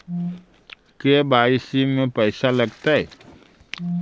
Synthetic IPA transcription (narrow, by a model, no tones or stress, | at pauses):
kebaːɪsimẽpɛːsalɐɡt̪aɦɛː